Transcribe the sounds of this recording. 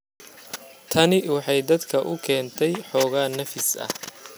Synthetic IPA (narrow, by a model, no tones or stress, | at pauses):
t̪ʰɐnɪwɑħɑjd̪ɐd̪kʰɐʔʊkʰɛːnt̪ʰɛjħɔːɣaːnɐfɪsɐ̰h